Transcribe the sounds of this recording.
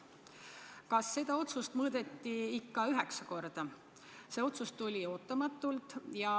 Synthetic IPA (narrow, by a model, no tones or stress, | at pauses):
kɑsːe̞d̪̥ɑo̞t̪sust̪mɤːd̪̥e̞t̪ːiikːɑyɦeksɑko̞rd̪̥ɑ | se̞o̞t̪sust̪ulʲio̞ːt̪ːˑɑmɑt̪ːˑult̪ˑjɑ